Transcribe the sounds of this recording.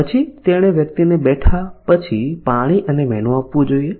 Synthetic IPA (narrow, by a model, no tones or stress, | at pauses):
ət͡ʃʰit̪eɽ̃eʋjək̚t̪inebɛʈʰapət͡ʃʰipaɽ̃iʔənemɛnũapʋũd͡ʒoie